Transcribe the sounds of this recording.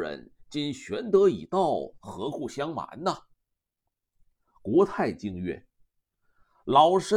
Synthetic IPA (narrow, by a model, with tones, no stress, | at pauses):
ɻə̰˧˥nt͡ɕi˥nɕɥɛ˧˥nt̪ɤ˧˥ḭ˨˩t̪ɑ˥˩ʊxɤ˧˥ku˥˩ɕjɑ˥ŋma̰˧˥nnə˨ | kwɔ˧˥t̪ʰa˥˧ɪt͡ɕi˥˧ŋɥɛ̰˥˩ | lɑ˨˩ʊʂə˥